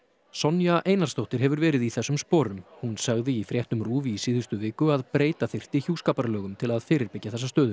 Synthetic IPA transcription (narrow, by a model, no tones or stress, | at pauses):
sɔnjaʔejnaɾ̥st̪owht̪ɪɾ̥ɦɛvʏɾvɛːɾɪðiθɛsːʏmspɔːɾʏmhunsaɣðɪifɾjɛht̪nʏmruːviːsɪːðʏst̪ʏvɪːkʏaðpɾeːjt̪aθɪr̥t̪ɪçjuːskaːpaɾlœːɣʏmt̪ʰɪlaðfɪːɾɪɾpɪcːaθɛs̬ast̪œːðʏ